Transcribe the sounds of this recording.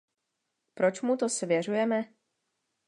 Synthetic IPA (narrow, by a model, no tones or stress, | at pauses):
pɾo̞t͡ʃmut̪o̞svjɛr̝ujɛmɛ